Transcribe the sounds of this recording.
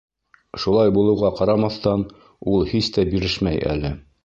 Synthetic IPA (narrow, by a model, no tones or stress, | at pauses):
ʃulˠɑjbulˠɤ̆wʁɑqɑɾɑmɑθt̪ɑn | ulˠhist̪æbiɾɘʃmæjʔæ̰lɘ